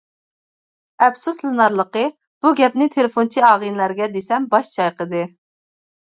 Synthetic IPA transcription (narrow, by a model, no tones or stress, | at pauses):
ɛpsuslɨnɑɾlˠəqə | b̥uɡʲɛpnɪt̪ʰelɪfont͡ʃʰiɑːʁɨnlæɾɡʲɛd̪esɛmbɑʃt͡ʃʰɑjqəd̪ɨ